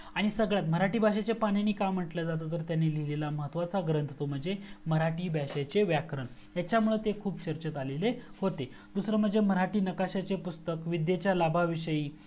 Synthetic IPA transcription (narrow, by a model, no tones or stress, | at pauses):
aɽ̃isəɡɭjat̪m̤əɾaʈiːbʱaɕat͡ɕepaɳjaniːkam̤ːəʈljad͡zat̪ot̪̬əɾt̪janːelilelaməɦət̪ʋat͡saɡɾənt̪ʰt̪om̤əɳd͡zeməɾaʈiːbʱaɕat͡ɕeʋjakɾəɳ | jat͡ɕjamuɭet̪ekʰuːbt͡ɕəɾt͡ɕət̪alelehot̪e | d̪usɾəm̤əɖd͡zeməɾaʈiːnəkaɕat͡sepust̪əkʋid̪jet͡ɕjalabʱaʋiʂəjiː